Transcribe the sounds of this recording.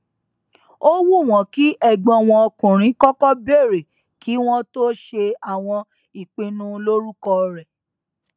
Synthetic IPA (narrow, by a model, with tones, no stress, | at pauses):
o˦wu˦˨w̃ɔ̃˨ki˨˦ʔɛ˦˨ɡ͡bɔ̃˨˧˨w̃ɔ̃˧ɔ˧kũ˨ɾ̃ĩ˨˦kɔ˦kɔ˦be˦˨ɾe˨ | ki˨˦w̃ɔ̃˦to˦ʃe˧a˨w̃ɔ̃˧ | i˨k͡pĩ˧nũ˦lo˦ɾu˦kɔ˧ɾɛ˨